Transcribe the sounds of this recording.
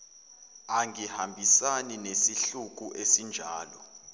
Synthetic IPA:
aŋʱihambʱisaninesiɬuk̬uʔesind͡ʒʱaːlɔ

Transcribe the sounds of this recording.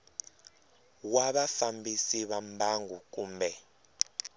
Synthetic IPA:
waɓafambisiɓambaŋɡuk̬ʼuːmbɛ

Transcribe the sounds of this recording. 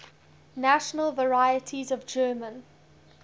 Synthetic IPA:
naʃənəlˠvəɹaɪətʰizəvd͡ʒɜːmə̃n

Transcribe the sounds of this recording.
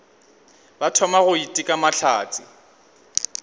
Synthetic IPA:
batʰɔmaɣʊitʼikʼamat͡ɬʰa̰ːt͡sʼɪ

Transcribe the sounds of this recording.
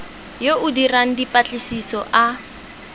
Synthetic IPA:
joʔʊdiraŋ̩dipʼat͡ɬʼɪsisɔʔa

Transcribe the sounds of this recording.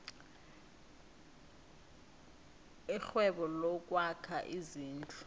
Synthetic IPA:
ixwɛɓɔlɔk̬ʼwakʰaʔiziːnt͡ɬʰʼu

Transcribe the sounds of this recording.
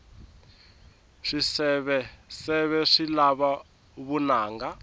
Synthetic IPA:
ʂisɛβɛsɛβɛʂilaβa | βunaːŋɡa

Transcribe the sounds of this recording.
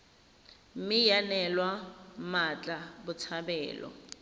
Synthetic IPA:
mɪjanɛlwamat͡ɬʼabʊt͡sʰabɛːlɔ̰

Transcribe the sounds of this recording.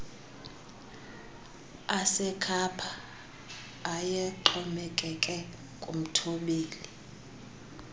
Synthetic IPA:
asɛkʰapʰa | jɛǃɔmɛkʼɛkʼɛ | kʼṵm̩tʰoɓiːli

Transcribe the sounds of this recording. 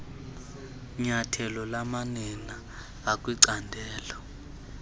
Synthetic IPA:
ɲatʰɛlɔlamanɛnaː | kʼwiǀandʱɛːlɔ

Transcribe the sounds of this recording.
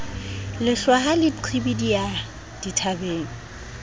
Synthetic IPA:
lɪɬwaɦalɪǃʰibidija | d̥itʰabeːŋ̩

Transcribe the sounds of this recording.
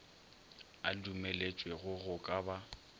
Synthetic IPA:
a̰dumelet͡ʃʼweɣʊɣʊkʼaba

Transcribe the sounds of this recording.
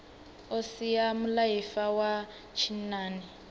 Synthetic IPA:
osijamʊlaifawa | t͡ʃʰinaːnɛ

